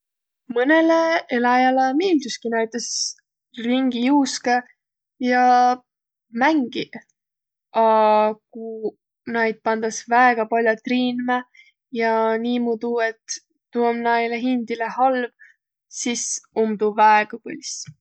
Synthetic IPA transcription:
mɤneleelɑjɑlɑmiːld̪uskinæjt̪ːˑes | riŋɡijuːske | jɑ | mæŋɡ̥i | ɑku | nɑjd̪̥̚pɑnd̪̥ɑsvæeɡ̥ɑpɑlʲjɑt̪riːnme | jɑniːmud̪ue̞t̪ː | uomnɑjleɦind̪̥ilehɑlv | sisumd̪uvæeɡ̥ɑpɤlʲis

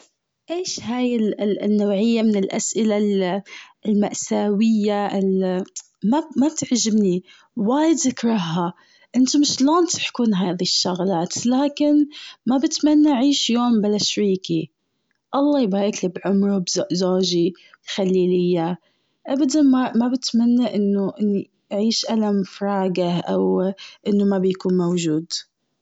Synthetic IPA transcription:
ʔeːʃhaːjɪlnːawʕɪjːamɪnɪlʔa̰sʔɪlal | ɪlmaʔsaːwɪjːaʔɪl | mamab̚t̪ɪʕʒɪbni | waːjɪd̪zɪkɾˤɑɦːa | ʔɪnt̪umɪʃloːnt̪ɪ̥ħkuːnɦaːðiʃːaɣlaːt̪laːkɪnmabɪt̪manːaʔʕiːʃjoːmbalaʃɾiːki | ʔɑlˤːɑːjbaɾɪklɪbʕʊmɾubzzoːʒi | xalːiːlɪjːa | ʔabad̪anmamabɪt̪manːaʔɪnːʊʔɪnːi | ʔʕiːʃʔalamfɾˤɑːɡaʔa̰wʔɪnːʊmabjakuːnmowʒuːd̪

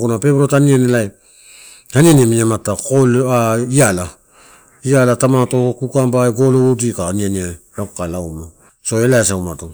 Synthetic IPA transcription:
kunape̞bɾotanianelaj | hanianiemiɲamatakolaiala | ialatamatokukambajɡoloudikaanianiajakalawma | so̞elaesawmato

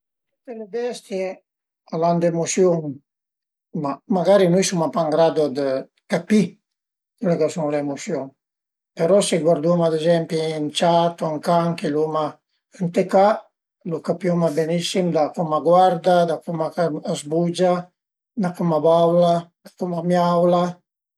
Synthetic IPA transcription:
ut̪elebɛst̪je | aland̪emosjoŋ | mamaɡaɾinujsumapaŋɡɾad̪od̪ə | kapi | kulekasuŋleemosjoŋ | peɾɔseɡwaɾd̪umad̪ezɛmpiːnt͡ʃat̪oiŋkaŋkeluma | ənt̪eka | lukapjomabenisimd̪akumaɡwaɾd̪ad̪akumakaːzbud͡ʒa | d̪akumabawlad̪̥akumamjawla

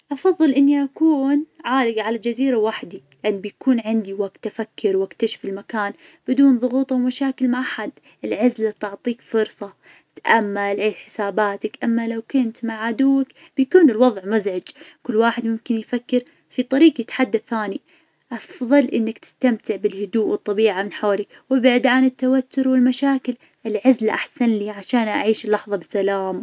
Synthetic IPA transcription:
ʔɑfɑðˤːɨlʔɪnːiʔakuːnʕaːlɪɡʕalad͡ʒaziːɾawaħd̪ilɪʔanːbɪjkuːnʕɪnd̪iwaɡt̪ʔafakːɪɾwakt̪aʃɪ̥fɪlmakaːnb̥ɪd̪uːnðˤʊɣuːt̪ˤawmaʃaːkɪlmaʔaħad̪ | ʔɪlʕɪzlat̪ʊʕt̪ˤiːkfʊɾsˤɑ | t̪ʔamːalʕeːd̪ħɪ̥saːbaːt̪akʔamːalawkʊnt̪maʕʕad̪uwːak | b̥jakuːnɪlwɑðˤʕmʊzʕɪd͡ʒkʊlːwaːħɪd̪mʊmkɪnjfakːɪɾ | fit̪ˤɑɾiːqjɪt̪ħad̪ːaθaːni | ʔɑfðˤɑlʔɪnːakt̪ɪ̥st̪amt̪ɪʕbɪlhʊd̪uːʔwɨt̪ˤːɑbiːʕamɪnħaːli | wɪbaʕd̪ʕanɪt̪ːawat̪ːʊɾwɪlmaʃaːkɪl | ʔɪlʕazlaʔaħsanliːʕaʃaːnʔa̰ʕiːʃɪlːɑħðˤɑbɪsːalaːm

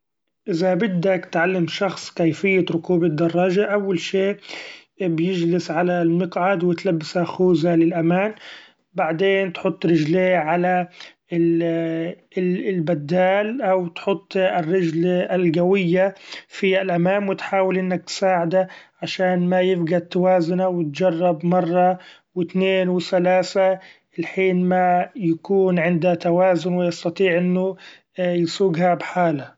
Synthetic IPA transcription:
ʔɪzabɪd̪ːakt̪ʕalːɪmʃɑxsˤkajfɪjːaɾʊkuːbɪd̪ːɑrˤːɑːʒaʔawːalʃeː | bjɪd͡ʒlɪsʕalalmɪqʕad̪wɪt̪labːsaxuːzalɪlʔamaːn | baʕd̪eːnt̪ħʊt̪ˤːɾɪʒleːʕala | ɪ | lbad̪ːaːlʔawt̪ħʊt̪ˤːɪrːɪd͡ʒlɪlɡawɪjːafiʔalʔamaːmwɪt̪ħaːwɪlʔɪnːak̚t̪saːʕɪd̪aʕaʃaːnmajɪfɡat̪ːawaːzʊnawɪt̪d͡ʒɑrˤːɑbmɑrˤːɑ | wɪt̪neːnwɪθalaːsa | ɪlħiːnmajakuːnʕɪnd̪at̪awaːzʊnwɪjɑst̪ɑt̪ˤiːʕʔɪnːʊ | jsuːɡhabħaːla

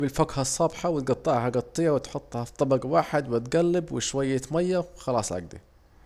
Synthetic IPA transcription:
bɪlfakhɑsˤːɑːbħawɪt̪̚ɡɑt̪ˤːɑʕhaɡɑt̪ˤːɨjːawɪt̪ħʊt̪ˤːhɑt̪ˤːɑbɑɡwaːħɪd̪wɪt̪ɡalːɪbwɪʃwajːat̪majːaxɑlɑːsˤʕa̰ɡd̪ḭ

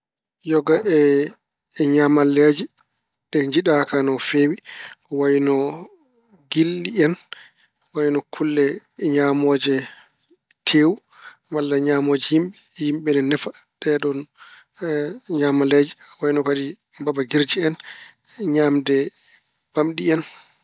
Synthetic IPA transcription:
jɔɡaʔɛ | ɲamalːed͡ʒi | ɗɛɲd͡ʒiɗakanɔfeːwikɔwajinɔ | ɡilːiɛn | wajinɔkʰulːɛɲamɔːd͡ʒɛ | tʰeːwu | malːaɲaːmoːd͡ʒɛhimɓɛhimɓɛnɛnɛfa | ɗɛɗɔn | ɲaːmalɛd͡ʒiwajinɔkadi | babaɡiɾd͡ʒiɛn | ɲaːmdɛ | b̥amɗiɛn

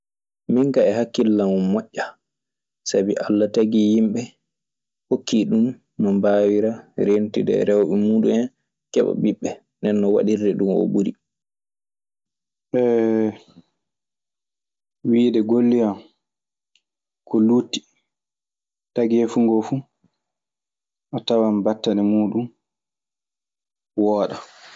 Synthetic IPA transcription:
miŋkaɛhakːilːamumːɔʔːa | sabiʔalːataɡijimɓɛ | hokːiɗum | nɔmbaːwiɾaɾentidɛ̰ɾɛwɓɛmuːɗumɛn | kɛɓa̰biɓːɛ | ndɛnːɔwa̰ɗirdɛɗumɔ̰buɾi | ɓɛ | wiːdɛɡolːijam | kʰɔlutːi̥ | taɡɛfuŋɡɔfu | ʔatawambatːanɛmuːɗum | wɔːɗa

